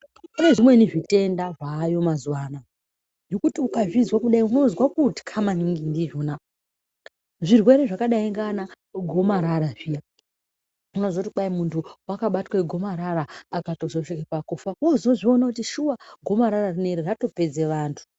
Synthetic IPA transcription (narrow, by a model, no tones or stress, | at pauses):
eʐimwe̞niʐite̞ndaʐaːjo̞mazuwaːna | jokutiukaʐizwakuɗaiuno̞zwakuti̥kʰamaniŋɡindiʐona | ʐirwe̞ɾe̞ʐakaɗaiŋɡana | ɡʱo̞maɾaɾaʐija | uno̞zwautiɓaimuntʰuwakaɓatweɡʱo̞maɾaɾaːkatozoʃikepakufaozoʐio̞nakutiʃuwaɡʱo̞maɾararine̞ɾirato̞pe̞d͡zeʋaːntʰu̥